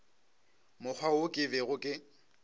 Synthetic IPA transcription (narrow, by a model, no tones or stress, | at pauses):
mʊk͡xʰwaokʼɪbɛɣʊkʼɪ